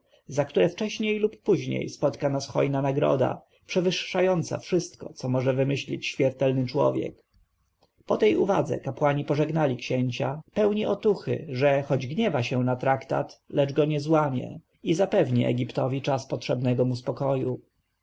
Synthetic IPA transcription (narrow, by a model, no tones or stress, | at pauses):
zakt̪uɾɛft͡ʂɛɕɲejlupːuʑɲḛjspɔt̪kanasxɔ̰jnanaɡɾɔ̰d̪a̰ | pʂɛvɘʂːajɔnt̪sa̰fʂɘst̪kɔ̰t̪sɔmɔʐɛvɘmɘɕlʲḭt͡ɕɕmʲjɛɾt̪ɛlnɘt͡ʂwɔ̰vʲjɛ̰k | pɔt̪ɛjuva̰d̪zɛ̰kapwaɲipɔʐɛɡnalʲikɕeɲt͡ɕapɛwɲiʔɔt̪uxɘ̰ʐɛxɔd͡ʑɡɲɛvaɕɛnat̪ɾakt̪a̰t̪lɛd͡ʐɡɔɲɛzwamʲjɛ̰ | izapɛvɲiʔɛ̰ɡʲipt̪ɔvʲit͡ʂaspɔtʂɛbnɛɡɔmuspɔkɔju